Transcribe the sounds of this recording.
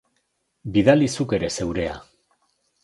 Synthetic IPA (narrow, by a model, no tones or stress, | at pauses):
biðalisuke̞ɾe̞se̞wɾe̞a̰